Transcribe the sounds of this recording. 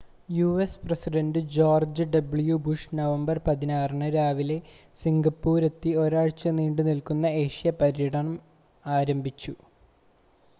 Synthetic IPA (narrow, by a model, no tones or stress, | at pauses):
juesprɐsiɖɐnɖɨd͡ʑoːrd͡ʑɨɖɐbɭjubuʂnɐʋɐmbɐrpɐðinaːrɐɳɨɾaːʋile̞ | siŋɡɐpːuːɾe̞t̪ːio̞ɾaːɻt͡ɕːɐniːɳɖɨnilkunːɐeːʂijɐpɐɾiɐɽʰɐɳɐm | aːɾɐmbʱit͡ɕːu